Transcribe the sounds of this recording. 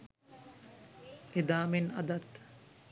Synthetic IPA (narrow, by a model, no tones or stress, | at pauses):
ʔed̪aːmenɐ̰d̪ɐt̪